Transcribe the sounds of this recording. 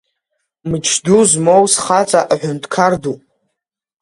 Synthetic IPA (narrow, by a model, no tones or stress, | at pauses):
mɨt͡ʃʰduzmowsχat͡sʼaʔaħʷᶣʊntʰkʰardu